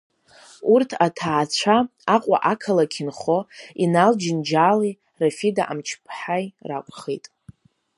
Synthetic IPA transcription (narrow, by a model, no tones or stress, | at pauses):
urtʰatʰaːt͡ɕʷʰaaqʷʼa̰ʔakʰalakʲʰɪnχoinald͡ʒɪnd͡ʒaːli | rafidaʔa̰mt͡ʃʰpʰħajra̰kʷʼχḛtʼ